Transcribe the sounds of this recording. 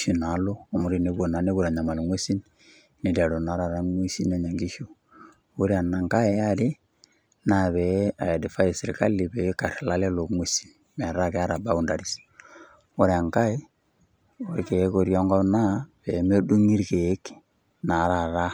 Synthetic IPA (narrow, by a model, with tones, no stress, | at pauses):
ʃi˨na˨˦loː˦˨mu˨ɾi˦ne˦βo˨na˨ne˦βu˦ɾa˨ɲa˨ma˨lŋwe˦si˦n | ne˨da˨ɾo˨na˨˦ɾa˨ɾa˦ŋwe˦si˦ne˨ɲa˨ŋɡi˦ʃo˦ | o˦ɾe˦a˨na˨ŋka˦e˦a˦ɾɪ˦ | na˦˨βɛ˨a̰˨ja˨di˨fa˦je˨se˨ɾi˨ka˦li˨βɛ˨˦ka˨ɾla˦le˦lo˨ŋwe˦si˦n | mɛ˨ɾa˦kɛ˦a˦ɾa˨ba˦u˦˨nda˨ɾi˦s | o˦ɾea˨ŋka˦e˦ | o˦ɾke˨˦ko˨ɾja˦ŋɡɔ˦na˦pɛ˨˦me˦du˦ŋi˦ɾke˨˦k | na˨˦ɾa˨ɾa˦